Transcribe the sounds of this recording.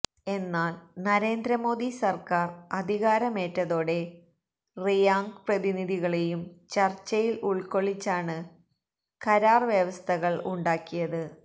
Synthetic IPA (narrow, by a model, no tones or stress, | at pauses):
e̞nːaːlnɐɾe̞ːnd̪ɾɐmo̞ːðisɐrkaːrɐd̪ʱiɣaːɾɐme̞ːtːɐðo̞ːɽe̞ | rijaːŋɡprɐðiniðiɣɐɭejumt͡ɕɐrt͡ɕːɐjiluɭko̞ɭit͡ɕːaːɳɨ | kɐɾaːrʋjɐʋɐst̪ʰɐɣɐɭuɳɖaːkːijɐðɨ